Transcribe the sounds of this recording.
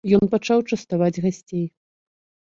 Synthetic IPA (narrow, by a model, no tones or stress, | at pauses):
jɔnpat͡ʂawt͡ʂɐst̪avad͡zʲɣasʲt͡sʲej